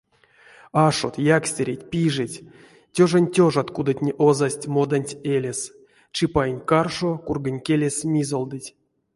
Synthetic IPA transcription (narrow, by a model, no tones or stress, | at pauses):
aʂo̰t̪jaksʲtʲeɾʲetʲpʲiʐɨtʲ | tʲoʐanʲtʲoʐat̪kud̪at̪ʲnʲiʔozasʲtʲmod̪anʲtʲelʲesʲ | t͡ʃɨpajnʲkarʂokurɡanʲkʲelʲesʲmʲizolˠd̪ɨtʲ